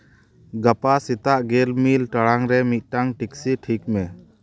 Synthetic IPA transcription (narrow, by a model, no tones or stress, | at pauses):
ɡapasit̪aʔɡelmilʈaɽaŋɾɛmit̪̚ʈaŋʈiksiʈʰik̚mɛ